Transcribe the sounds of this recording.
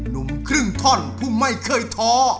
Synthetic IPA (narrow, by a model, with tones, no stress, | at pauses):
nu˨˦mkʰɾɯ˥˩ŋt̪ʰɔ˥˩npʰuː˥˩ma˥˩jkʰɤː˧˩jt̪ʰɔː˦˥